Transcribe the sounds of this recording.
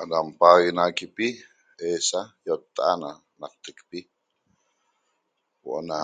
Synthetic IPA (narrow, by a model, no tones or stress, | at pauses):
ʔadampaɣinakipi | esajot̪ːaana | nak̚t̪əkpi | wo̰ʔna